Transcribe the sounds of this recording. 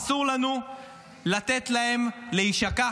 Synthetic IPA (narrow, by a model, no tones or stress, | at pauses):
suʁlanu | lat̪et̪lahe̞mleiʃaka